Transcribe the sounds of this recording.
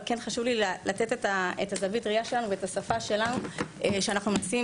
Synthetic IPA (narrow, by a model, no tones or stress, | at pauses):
kenχaʃuvlilalat̪e̞tetaetazavitʁiaʃelanuveetasafaʃe̞lanueʃeanaχnumnasi